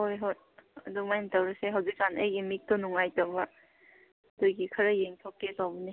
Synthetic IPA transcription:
hojɦot̚ɐdumajntawɾɐseɦɐwzik̚zanəjɡimik̚tɔnuŋajtɐbɐ | dojɡikʰɐɾɐjeŋtʰok̚tesawbɐni

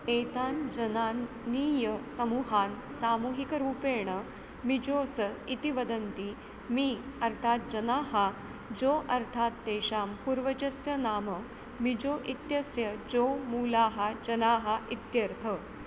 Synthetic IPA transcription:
eːt̪aːnd͡ʒɐnaː | niːjɐsɐmuːɦaːnsaːmuːɦikɐɾuːpeːɳ̃ə | mid͡ʒoːsɐit̪iʋɐd̪ɐnt̪i | miːɐɾt̪ʰaːt̪̚d͡ʒɐnaːɦa | d͡ʒoːʔɐɾt̪ʰaːt̪̚ːeːʂaːmpuɾʋɐd͡ʒɐsjɐnaːmɐ | mid͡ʒoːʔit̪jɐsjɐd͡ʒoːmuːlaːɦɐd͡ʒɐnaːɦɐʔit̪jɐɾt̪ʰə

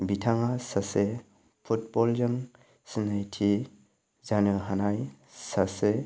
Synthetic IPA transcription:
bitʰaŋasase | pʰut̚bɔlzɯŋ | sinajtʰi | zanɯɦanaj | sase

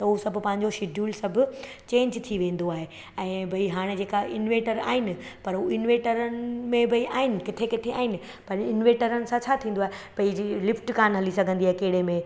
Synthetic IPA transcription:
t̪ɐɦusɐbʱpɐ̃ɦɪ̃ɲ̆d͡ʑoʃɪɖʱjuːlsɐbʱʊ | t͡ɕẽːɲd͡ʑt̪ʰiʋẽːn̆d̪oaːɦe | ɛ̃ːbʱɐiɦaːɽ̃ed͡ʑeːkaʔɪnʋeːʈəɾa̰ːɦɪnɪ̆pɐɾɦuɪnʋẽːʈəɾənɪmẽbʱɐiʔaːɦɪnɪ̆kɪt̪ʰekɪt̪ʰea̰ːɦɪnɪ̆ | pɐɾɪnʋeːʈəɾənɪ̆sãt͡ɕʰaːt̪ʰĩːn̆d̪oaːɦepɐilɪfʈkaːnɦɐlisɐɡʱə̃nd̪iaːɦekɐɦɪɽ̤emẽ

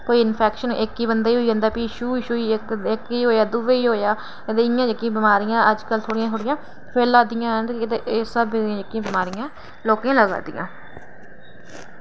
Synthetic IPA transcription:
koːiːɪnpʰɛːkʃənʔɪkːiːbənd̪aːiːɦoːiːd͡ʒãːnd̪aːpiːʃuːɪʃuːiːkɪkiːɦoːjaːd̪ʊʋeːiːɦoːjaː | t̪eːɪjãːd͡ʒəkːjãːbɪmaːɾɪjãːʔəd͡ʒkəlt̪ʰoːɽɪjãːt̪ʰoːɽɪjãː | pʰeːlaːd̪ɪjãːɦənt̪eʔsəbãːd͡ʒəkːjãːbɪmaːɾɪjãː | loːkãːləɡa̰ːd̪ɪ̰jã̰ː

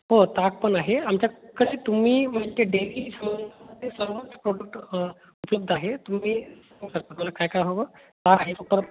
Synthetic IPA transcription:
ɦot̪aɡ̚pəɳaɦeamt͡ɕjakəɽit̪um̤iːmaʈ̪eɖeʋiːsəmbənd̪ʱəmət̪ːesəɾʋət͡spɾoɽək̚ʈ | upləb̚d̪ʱaɦet̪um̤iːsaɡsəɾkət̪um̤alakajkajɦoʋət̪aɡaɦefək̚t̪əɾ

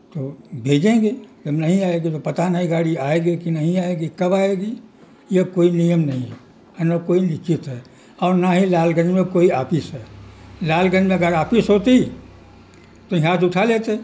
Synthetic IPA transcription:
t̪oːbʱeːd͡ʒẽɡed͡ʒɐbnɐɦĩaːeɡit̪opɐt̪anaɦĩɡaːɽiaːeɡekinɐɦĩaːeɡikɐbaːeɡi | jekoːinijəmnɐɦĩɦ | nakoːilɪkɪt̪ɦɛː | ɔːɾnaɦilaːlɡənd͡ʒmẽkoːiaːpɪsɦɛːlaːlɡənd͡ʒmẽɐɡəɾaːpɪsɦoːt̪i | t̪oɦãːd͡ʒʊʈʰaleːt̪e

